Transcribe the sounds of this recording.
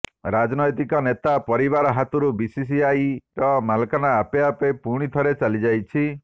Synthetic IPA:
ɾad͡ʒnɔjt̪ikɔnet̪apɔɾiβaɾɔɦat̪uɾubisis̬iajɾɔmalkanaːpeapepuɽ̃it̪ʰɔɾet͡ʃalid͡ʒajt͡ʃʰi

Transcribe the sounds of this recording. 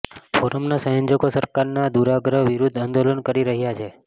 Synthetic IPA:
foɾəmnasə̃jə̃ɲd͡ʒəkosəɾkaɾnad̪uɾaɡɾəɦʋiɾud̪ʱand̪olənkəɾiɾəɦjat͡ʃʰe

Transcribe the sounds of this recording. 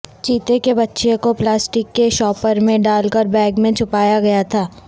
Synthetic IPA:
t͡ʃiːt̪ekebɐtːʃekoplaːsʈɪkːeʃɔːpəɾmẽɖaːlkəɾbɛːɡmẽt͡ʃʰʊpaːjaɡɐjat̪ʰaː

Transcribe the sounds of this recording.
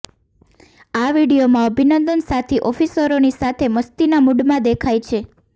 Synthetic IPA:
aʋiɽijomãəbʱinənd̪ənsat̪ʰiʔɔfisəɾonisat̪ʰeməst̪inamuɖmãd̪ekʰajt͡ʃʰe

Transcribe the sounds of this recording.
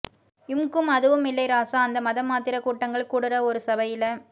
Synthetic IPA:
ɪmkɯmɐðɯʋɯmɪlːɐɪɾaːsaɐnd̪ɐmɐðɐmːaːt̪ɪɾɐkuːʈːɐŋɡɐɭkuːɽɯɾɐɔɾɯsɐbɐjɪlɐ

